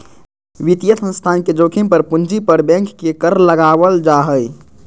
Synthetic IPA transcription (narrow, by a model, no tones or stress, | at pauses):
ʋit̪ijət̪sə̃nst̪ʰanked͡ʒokʰimpəɾpund͡ʒipəɾbɛ̃ŋkːekəɾləɡaʋəld͡ʒaɦəj